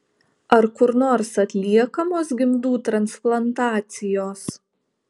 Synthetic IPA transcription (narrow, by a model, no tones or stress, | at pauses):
ɐɾkʊɾnoːɾsɐt̪ʲlʲiɛkɐmoːsɡʲɪmd̪uːt̪ɾɐnsplˠɐnt̪ɑːt̪sʲɪjoːs